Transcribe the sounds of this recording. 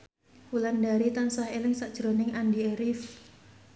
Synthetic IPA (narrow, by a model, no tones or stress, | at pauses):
ulandaɾit̪ansaɦelɪŋsaʔd̥ʒ̥ɾonɪŋandieɾif